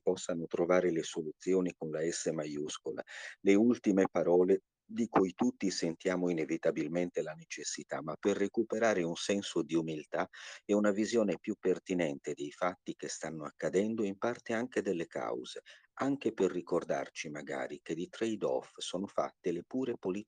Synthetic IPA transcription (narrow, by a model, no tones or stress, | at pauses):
pɔsːanot̪ɾovaːɾelesolut̪sːjoːnikonlaɛsːemajuskola̰leult̪imepaɾɔːle | d̪ikujt̪ut̪ːisent̪jaːmoinevit̪abilment̪elanet͡ʃesːit̪a̰mapːerːekupeɾaːɾeunsɛnsod̪iumilt̪aɛunavizjoːnepjupːert̪inɛnt̪ed̪ejfat̪ːikest̪anːoa̰kːad̪ɛnd̪oimpart̪eaŋk̟ed̪elːeka̰wz̥e | aŋkeperːikord̪a̰rt͡ʃimaɡa̰ːɾiked̪it̪ɾɛjd̪ɔ̰fsɔːnofa̰t̪ːelepuːɾepoli